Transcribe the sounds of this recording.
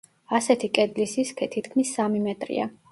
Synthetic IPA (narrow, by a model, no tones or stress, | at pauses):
asɛt̪ʰikʼɛd̪lisiskʰɛt̪ʰit̪kʰmisːamimɛt̪ʼɾḭa̰